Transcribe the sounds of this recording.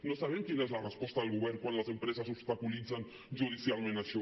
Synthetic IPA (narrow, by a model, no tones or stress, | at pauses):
nosaβ̞ɛmkinezlarəspɔst̪aðəlˠɣuβɛɾŋkwanləzempɾezazubst̪akulid͡zan | ʒuðisjalˠmẽnaʃɔ